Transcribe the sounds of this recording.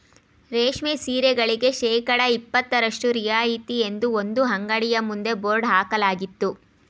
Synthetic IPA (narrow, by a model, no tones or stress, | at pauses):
ɾeːʂmesiːɾeɡɐɭiɡe̞ʃɛːkɐɽɐipːɐt̪ːɐɾɐʂʈuɾijaːjit̪ie̞nd̪uond̪uɦɐŋɡɐɽijɐmund̪e̞boːɾɖɦaːkɐlaːɡit̪ːu